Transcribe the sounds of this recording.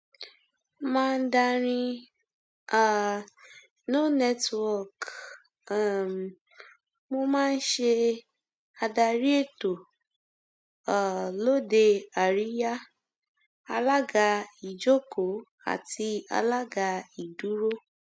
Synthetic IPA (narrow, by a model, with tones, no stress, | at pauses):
mãː˦˧n̩˦da˧ɾ̃ĩ˧ | a˨ | no˦nɛ˦twwɔ˦˨k | mo˧mãː˦˧n̩˦ʃe˧ | a˧da˧ɾi˦e˦˨to˨ | a˨lo˦de˧a˨ɾi˨˦ja˦ | a˧la˦ɡa˧i˨d͡ʒo˦ko˨˦ | a̰˨ti˧a̰˧la˦ɡa˧i˨du˨˦ɾo˦